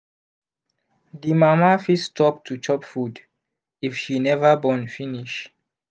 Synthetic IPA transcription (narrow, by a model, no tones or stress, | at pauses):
dimamafistʰɔp̚tʰut͡ʃɔpfud | ifʃinɛvabɔ̃nfiniʃ